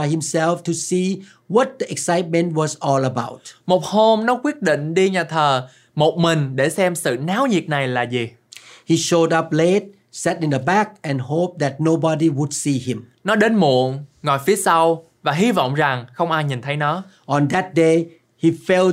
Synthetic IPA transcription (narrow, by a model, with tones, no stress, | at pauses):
ajhĩ˨msɛlftu˨si | wɔ˨t̚d̪ə˨ʔɛ˨ksa˦jt̚mɛ̃˨nt̚wɔ˨zɔ˧ləba̰˧˦wt̚mo˨˩t̚ho˧mnɔ˨˦kwi˦˥ət̚ɗḭ̈˧˨ŋ̟ɗi˧ɲaː˨˩t̪ʰəː˨˩ | mo˨˩t̚mï˨˩ŋ̟ɗe˧˩sɛ˧msɨ̰˧˨naː˨˦wɲi˨˩ət̚na˨˩jlaː˨˩zi˨˩ | hi˨ʃo˧dʌ˦p̚le˦t̚ | sɛ˦tɪ̃ndəbɛ˦k̚ʔɛ̃˨nɦop̚d̪ɛ˨t̚no˧bɔ˧ɾiwu˨dsi˧hĩ˨mnɔ˨˦ɗe˨˦nmṵ˧˨əŋŋɔ˨˩jfi˨˦əsa˧w | vaː˨˩ɦi˧vɔ̰˧˨wŋ͡mza˨˩ŋxə˧wŋ͡mʔaː˧jɲi˨˩nt̪ʰə˨˦jnɔ˨˦ʔɔ̃˨nd̪ɛ˨t̚de | hi˨fɛl